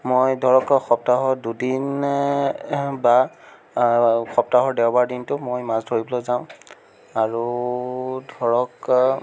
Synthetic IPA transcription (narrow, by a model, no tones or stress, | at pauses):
mojdʱɔɹɔkxɔp̚taɦɔdudin | ba | xɔp̚taɦɔɹdɛwbaɹdintʊmojmasdʱoɹiblɔzaʊ̃ | aɹu | dʱɔɹɔk